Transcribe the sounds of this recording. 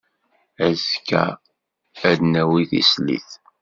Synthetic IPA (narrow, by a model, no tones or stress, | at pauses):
æzkːæ̰ | æd̪næwiθḭslḭθ